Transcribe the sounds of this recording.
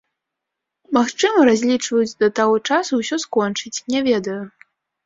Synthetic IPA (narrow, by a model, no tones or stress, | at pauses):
maxt͡ʂɨmɐɾazʲlʲit͡ʂvɐjud͡zʲd̪ɐt̪aɣɔt͡ʂasuwsʲɔskɔnt͡ʂɨt͡sʲnʲɛvʲɛd̪ɐju